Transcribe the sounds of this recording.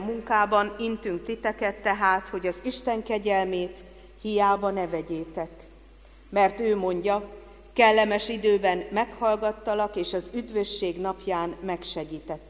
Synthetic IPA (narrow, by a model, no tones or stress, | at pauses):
mːuŋkaːbɒnint̪yŋk̚t̪it̪ɛkɛt̪ːɛɦaːt̪ho̞ɟɒziʃt̪ɛŋkɛɟɛlmeːt̪ | hijaːbɒnɛvɛɟeːt̪ɛk | mɛrt̪øːmo̞ɲɟɒ | kɛlːɛmɛʃid̪øːbɛnmɛkhɒlɡɒt̪ːɒlɒkeːʃɒzyd̪vøʃːeːɡn̪ɒpjaːnmɛkʃɛɡiːt̪ɛt̪ː